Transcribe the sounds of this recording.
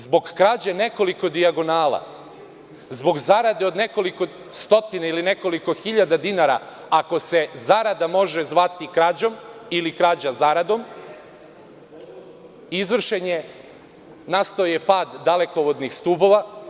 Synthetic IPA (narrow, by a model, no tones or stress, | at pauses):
zbo̞ɡkɾaːd͡ʑene̞ko̞liko̞d̪iaɡo̞naːlˠa̰ | zbo̞ɡzaɾad̪eo̞d̪ne̞ko̞liko̞ | st̪o̞t̪inailine̞ko̞liko̞xiʎad̪ad̪inaɾa̰ | ako̞se̞zaɾad̪amo̞ʒezʋat̪ikɾaːd͡ʑo̞milikɾaːd͡ʑazaɾad̪o̞m | izʋr̩ʃe̞ɲe̞ | nast̪aoje̞paːd̪ːale̞ko̞ʋo̞d̪nixst̪uːbo̞ʋa